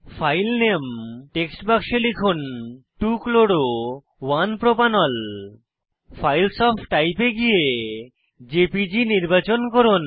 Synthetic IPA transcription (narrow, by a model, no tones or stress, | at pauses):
fʰajlnemʈeksʈbakʃelikʰunʈukloɽo | wanpɾopanɔl | fʰajlsɔpʰʈajpeɡije | d͡ʑepid͡ʑiniɾbat͡ɕonkoɾon